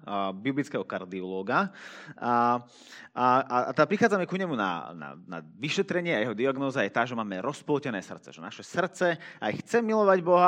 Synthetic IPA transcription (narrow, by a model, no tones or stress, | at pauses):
biblit͡skɛːɦɔkaɾd̪iɔlɔːɡaa | aaat̪ɛpɾixaːd͡zamɛkuɲɛmuna̰na̰na̰ʋiʃɛt̪ɾɛɲɪɛajɛɦɔd̪iaɡnɔːzajɛt̪aːʒɛmaːmɛɾɔsplɔcɛnɛːsr̩t̪t͡sɛ̰ʒɛna̰ʃɛsr̩t͡sɛajxt͡sɛmilɔʋaɟbɔɦa